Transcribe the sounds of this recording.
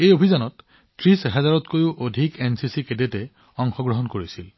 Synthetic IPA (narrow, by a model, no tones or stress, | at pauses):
ejobʱizanɔt | tɹisɦɛzaɹɔtkojʊʔodʱikensisikedetɛ | ɔŋxɔɡɹɔɦɔnkoɹisil